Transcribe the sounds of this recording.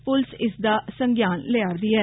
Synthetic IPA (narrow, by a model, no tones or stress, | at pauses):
pʊlsɪsd̪aːsəŋɡjaːnleaːɾd̪iːɛː